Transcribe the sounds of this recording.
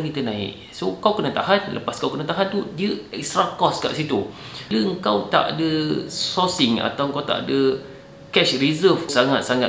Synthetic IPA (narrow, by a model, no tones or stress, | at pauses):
ŋɡit̪ənãɪ̰ʔ | sokawkənat̪aɦanlə̰paskawkənat̪aɦant̪udiəɛkst̪ɾakɔska̰ʔsit̪u | ləəŋkawt̪a̰ʔdəsɔsɪŋa̰t̪awəŋkawt̪a̰ʔa̰də | kɛʃrizəfsaŋat̪̚saŋa